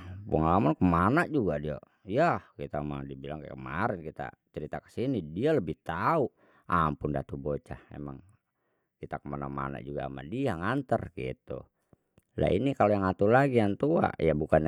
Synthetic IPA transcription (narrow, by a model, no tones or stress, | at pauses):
pəŋalamankəmanaʔd͡ʒuɡadia̰ | jahkit̪amaŋdibilaŋka̰kəmaɾɛnkit̪a̰t͡ʃəɾit̪akə̥sinidialəbɪht̪au | ampʊndat̪ubot͡ʃahḛmaŋ | kit̪akəmanama̰na̰ʔd͡ʒuɡaa̰ma̰diaŋant̪ərɡḭt̪ṵ | la̰ḭnikalojaŋat̪ulaɡijant̪ua̰jabukan